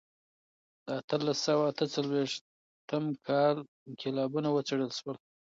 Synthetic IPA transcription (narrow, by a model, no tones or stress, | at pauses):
d̪əat̪əlasawaːt̪ət͡salweʂ | t̪əmkʰɑl | kʰɪlɑbunawət͡seɽəlʃwəl